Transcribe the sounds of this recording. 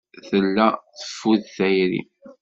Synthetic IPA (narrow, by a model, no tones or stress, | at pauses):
θəlːæθə̥fːuðθæjɾḭm